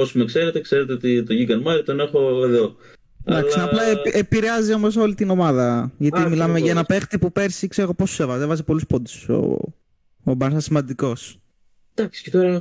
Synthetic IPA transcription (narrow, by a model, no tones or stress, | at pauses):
osumekse̞ɾet̪ekseɾet̪eot̪it̪oʝiɡɐnmɐɾit̪o̞ne̞xo̞eðo̞ | ɐd̪ɐklsnɐplɐepiɾeɐzio̞mo̞s̬o̞lit̪ino̞mɐðɐʝɐt̪imilɐmeʝɐenɐpe̞xt̪ipupe̞ɾsikseɾoɣo̞posu̥se̞vɐzevɐzipo̞luspo̞d̪iso̰ː | bɐnsɐsimɐnd̪iko̞s | d̪̥ɐksi̥cet̪oɾɐ